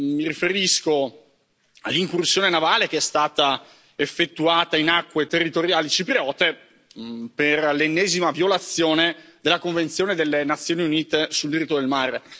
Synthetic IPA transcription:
miɾifeɾisko | a̰lːiŋkursjoːnenavaːlek̟eɛst̪aːt̪a | efːet̪ːuaːt̪ainakːwet̪erːit̪oɾjaːlit͡ʃipɾeɔːt̪e | perlenːɛːzimavjolat̪sːjoːned̪elːakoɱvent̪sjoːned̪elːenat̪sːjoːniuniːt̪esuld̪iɾit̪ːod̪elmaɾ

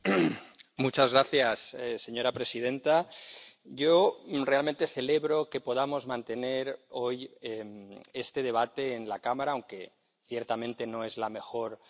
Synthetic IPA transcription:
mut͡ʃazɣɾaθjasese̞ɲo̞ɾapɾe̞sið̞ẽ̞nt̪a | ɟ͡ʝore̞alment̪e̞θe̞leβɾo̞ke̞poð̞amo̞zmãnt̪e̞neɾojemest̪e̞ð̞e̞β̞at̪e̞ːnlakamaɾaːwŋke̞ | θjeɾt̪amẽ̞nt̪e̞noe̞zlame̞xo̞ɾ

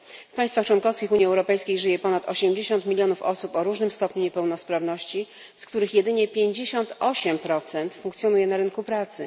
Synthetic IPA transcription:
fpajst̪faxt͡ʂwɔnkɔfskʲixuɲiɛwɾɔpɛjskʲejʐɘjɛpɔnat̪ɔɕɛmd͡ʑeɕɔnt̪mʲilʲjɔnufɔ̰supɔɾuʐnɘmst̪ɔpɲuɲɛpɛwnɔspɾavnɔɕt͡ɕi | skt̪uɾɘxjɛd̪ɘɲɛpʲjeɲd͡ʑeɕɔnt̪ɔɕɛmpɾɔt̪sɛnt̪fuŋkt̪sjɔnujɛnaɾɘnkupɾat̪sɘ

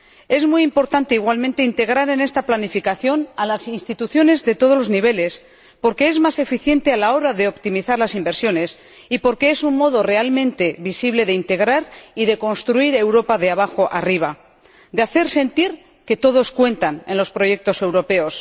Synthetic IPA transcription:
e̞zmujimpo̞ɾt̪ant̪e̞iɣwalmẽnt̪e̞int̪e̞ɣ̞ɾaɾe̞ne̞st̪aplanifikaθjo̞nalasinst̪it̪uθjo̞ne̞zðe̞t̪o̞ð̞o̞lo̞zniβe̞le̞s | po̞ɾke̞ezmase̞fiθje̞nt̪e̞alao̞ɾaðe̞o̞pt̪imiθaɾlasimbe̞ɾsjo̞ne̞s | ipo̞ɾke̞esunmo̞ð̞o̞re̞almẽnt̪e̞βisiβ̞le̞ðe̞int̪e̞ɣ̞ɾaɾiðe̞ko̞nst̪ɾuiɾe̞wɾo̞paðe̞aβ̞axo̞ʔariβ̞a | d̪eaθe̞ɾse̞nt̪iɾ | ke̞t̪o̞ð̞o̞skwe̞nt̪ane̞nlo̞spɾo̞ʝe̞k̚t̪o̞se̞wɾo̞pe̞os

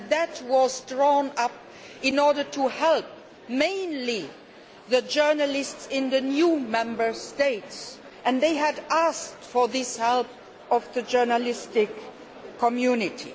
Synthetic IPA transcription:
ðɨt̚wʌzdɹɔnʌp̚ | ɪ̃nɔɹɾə˞tʰuhɛlˠp̚ | mẽɪ̃nli | ðɨd͡ʒɜ˞nəlɪstsɪ̃nðɨnjumɛ̃mbə˞steɪts | ʔɨ̃nðeɪɨdæsk̚tfə˞ðɪshɛlˠp̚ | ʌvðɨd͡ʒɜ˞nəlɪstɪkʰː | əmjunɪtʰḭ

